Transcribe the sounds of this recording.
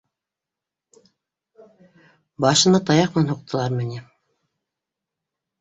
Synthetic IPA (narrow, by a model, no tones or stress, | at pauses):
bɑʃɤ̆nɑt̪ɑjɑq̚mɘnænhŏq̚t̪ɤ̆lˠɑɾmɘ̆nʲi